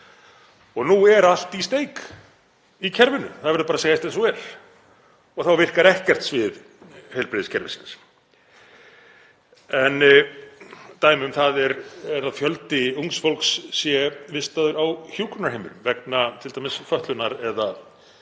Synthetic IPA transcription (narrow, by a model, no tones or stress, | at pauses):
ɔɣnuɛɾal̥t̪ist̪eːjk | icʰɛɾvɪnʏ̰θaðvɛɾðpaɾaseːjast̪ɛnsɔɛɾ̥ | ɔɣθawvɪr̥kaɾɛhcɛ̥t̪svɪð | hejlpɾɪːðɪscʰɛɾvɪ̰sɪns | ɛn | t̪aːjmɪʏmθaðɛɾɛɾaðfjœlt̪ɪuŋsfolksːjɛvɪst̪aðʏɾawçjuːkʏnaɾhejmʏ̰ɾʏmvɛk̚nat̪ʰɪlt̪ajmɪsfœht̪lʏnaɾɛða